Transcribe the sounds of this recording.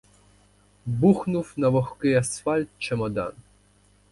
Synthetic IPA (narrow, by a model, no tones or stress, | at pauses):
buxnufnavɔxkɨjasfalʲt̪̚t͡ʃɛmɔd̪a̰n